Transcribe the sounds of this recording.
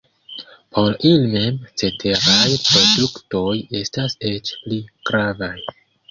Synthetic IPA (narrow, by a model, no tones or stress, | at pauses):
pʰo̞ɾilime̞mt͡se̞tʰe̞ɾajpɾo̞dukto̞je̞stase̞t͡ʃpliɡ̥ɾavaj